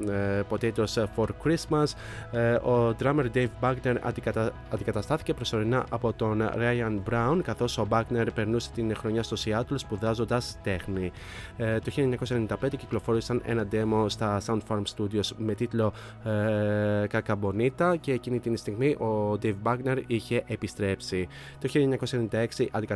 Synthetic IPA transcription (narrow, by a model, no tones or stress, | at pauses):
po̞t̪eit̪ɾosfo̞ɾkɾismɐs | o̞d̪ɾɐmeɾd̪ejvbɐɡne̞ɾɐ̰ | ɐnd̪ikɐt̪ɐst̪ɐθi̥ce̞pɾo̞so̞ɾinɐʔɐpo̞t̪o̞nɾɐjɐnbɾɐunkɐθo̞so̞bɐɡne̞ɾpe̞ɾnuse̞̥t̪inxɾo̞ɲɐst̪o̞siɐt̪olospuðɐzo̞nd̪ɐst̪e̞xni | t̪o̞çilieɲɐkosɐenenid̪ɐpend̪eciklo̞fo̞ɾisɐne̞̰nɐd̪e̞mo̞st̪ɐsɐunt̪fɐɾmst̪ud̪io̞zme̞t̪it̪lo̞ | kɐkɐbo̞nit̪ɐce̞ːcinit̪inist̪iɣmiʔo̞d̪ejvbɐɡne̞ɾiçe̞ʔepist̪ɾe̞psi | t̪o̞çilieɲɐkosenenind̪ɐe̞ksiʔɐnd̪i